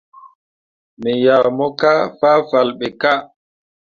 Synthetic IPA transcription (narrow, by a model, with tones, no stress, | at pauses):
mɛ˨jaː˨mɔ˦ka˦faː˦fa˨lɓɛ˨ka˦